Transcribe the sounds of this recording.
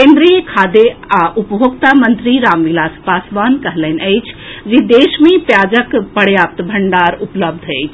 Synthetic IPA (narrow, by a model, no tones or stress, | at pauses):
ẽːnd̪ɾijəkʰaːd̪eaʔupbʱokt̪amə̃nt̪ɾiɾaːmʋilaːspaːsʋaːnkəɦlənəjt͡ʃʰd͡ʒid̪eːʃmẽpjaːd͡ʒəkpɐɽjaːp̚t̪bʱɐɳɖaːɾʊpləb̚d̪ʱəjt͡ʃʰ